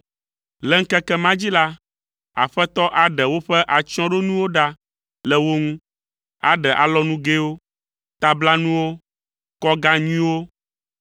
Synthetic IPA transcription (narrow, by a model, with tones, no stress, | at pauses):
lɛ˨ŋ̩˦kɛ˦kɛ˦mã˦d͡ʑi˦la˦ | a̰˨ɸɛ˦t̪ɔ˦ʔa˨ɖɛ˨wo˦ɸɛ˦ʔa˨t͡ʃɔ̃˦ɖo˦nũ˦wo˦ɖa˦ | lɛ˨wo˦ŋũ˦ | a̰˨ɖɛ˨ʔa̰˨lɔ˦nũ˦ɡe˦wo˦ | t̪a˨bla˦nũ˦wo˦ | kɔ˦ɡa˦ɲĩ˦wo˦